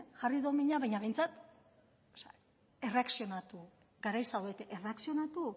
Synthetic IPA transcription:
ʝariðomiɲaβajɲaβe̞jnt͡sat̪ | sa | e̞re̞aksio̞nat̪u | ɡaɾajsawet̪eʔere̞aksio̞nat̪u

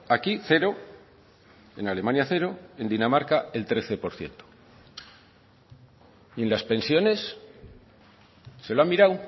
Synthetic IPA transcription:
akiθe̞ɾo̞ | e̞̰nale̞mãnjaθe̞ɾo̞e̞nd̪inamaɾkae̞lt̪ɾe̞θe̞po̞ɾθje̞̰nt̪o̥ | ie̞nlaspe̞nsjo̞ne̞s | e̞loamːiɾaw

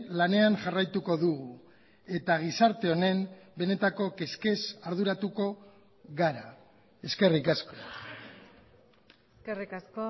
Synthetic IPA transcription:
lane̞anʝarajt̪uko̞ðuɣu | e̞t̪aɣ̞isaɾt̪e̞o̞ne̞mbe̞ne̞t̪ako̞ke̞ske̞saɾðuɾat̪uko̞ | ɣaɾa | e̞ske̞rikasko̞̥ | skerikasko

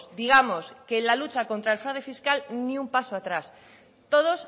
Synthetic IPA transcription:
sd̪iɣamoskelalut͡ʃako̞nt̪ɾae̞lfɾawðefiskalniumpasoat̪ɾas | t̪oð̞os

